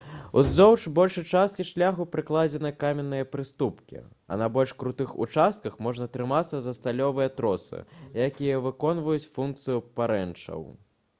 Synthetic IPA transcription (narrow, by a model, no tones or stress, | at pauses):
ṵzʲzɔwt͡ʂbɔlʲʂɨt͡ʂast̪kʲiʂlʲaxupɾɨklˠad͡zʲɛnɨkamʲɛnːɨjɐpɾɨst̪upkʲḭ | ɐ̰nɐbɔlʲʂkɾut̪ɨxṵt͡ʂast̪̚kɐxmɔʐnɐt̪ɾɨmat̪sːɐzɐst̪alʲɔvɨjɐt̪ɾɔsɨ̰jakʲijɐvɨkɔnvujut͡sʲfunk̚t̪sɨjupaɾɛnt͡ʂɐ̰w